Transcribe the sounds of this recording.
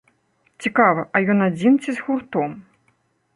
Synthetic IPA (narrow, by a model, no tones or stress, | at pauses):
t͡sʲikavɐʔɐjɔnad͡zʲint͡sʲizɣurt̪ɔm